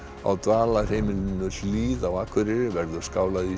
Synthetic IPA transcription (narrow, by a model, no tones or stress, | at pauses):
a̰wt̪vaːlḁhejmɪlɪnːʏliːðawaːkʰvʏɾɪɾvɛɾðʏ̥skaːwlaði